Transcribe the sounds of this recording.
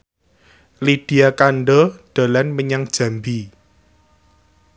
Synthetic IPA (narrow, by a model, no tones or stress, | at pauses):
liɖ̥i̤akaɳɖɔɖ̥a̤lanməɲaŋd̥ʒ̥a̤mbi